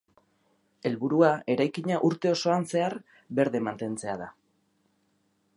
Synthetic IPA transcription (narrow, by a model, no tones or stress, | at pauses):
e̞lβuɾuae̞ɾajkiɲaʔuɾt̪e̞o̞so̞anse̞aɾ | βe̞ɾðe̞mant̪e̞nt͡se̞aða